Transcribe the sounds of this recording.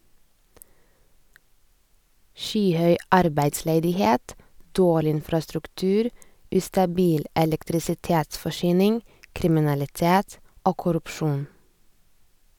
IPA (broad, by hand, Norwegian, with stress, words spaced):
ˈʃyːˌhœʏ ˈɑɾbæɪdsleːdɪˌheːt ˈdoːɭɪ ˈɪnfɾɑstɾʉkˌtʉːɾ ˈʉːstɑˌbiːl ʔɛlɛktɾɪsɪˈteːtsfɔˌʃyːnɪŋ kɾɪmɪnɑlɪˈteːt ˈoː kʊɾʉpˈʃuːn